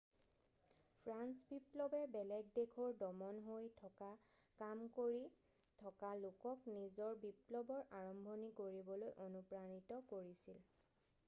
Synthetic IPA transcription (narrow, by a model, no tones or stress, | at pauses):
pʰɹansbiplɔbɛbɛlɛɡ̚dekʰɔɹdɔmɔnɦojtʰɔka | kamkoɹi | tʰɔkalokɔknizɔɹbiplɔbɔɹʔaɹɔmbʱonikoɹibɔlojʔonupɹanitɔkoɹisil